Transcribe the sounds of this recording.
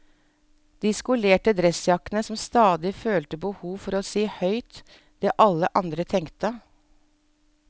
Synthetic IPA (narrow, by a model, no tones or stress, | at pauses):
d̪̥iːskʊleːʈəd̪ɾɛsjɑknəsɔmst̪ɑːd̪ɪføːlt̪əbəhuːʋfɔɾoːsiːhœʏt̪ | d̪̥eːʔɑləʔɑnd̪ɾət̪ʰɛŋkt̪ə